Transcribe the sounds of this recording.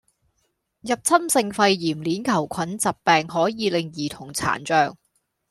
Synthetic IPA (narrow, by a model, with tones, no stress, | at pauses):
jɐ˨p̚t͡sʰɐ˥msɪ˧ŋfɐ˧jːiː˨˩mliː˨˥nkʰɐ˨˩wkʷʰɐ˨˥nt͡sɐ˨p̚pɛː˨ŋɦɔː˨˥jiː˨˧lɪ˨˧ŋjiː˨˩t̪ʰʊ˨˩ŋt͡sʰa̰ː˨˩nt͡ʃœː˨˧ŋ